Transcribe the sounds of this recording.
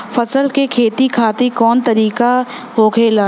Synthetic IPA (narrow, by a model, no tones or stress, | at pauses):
fɐsəlkekʰeːt̪ikʰaːt̪ikɔːnt̪ɐɾiːka | ɦoːɡʱeːlaː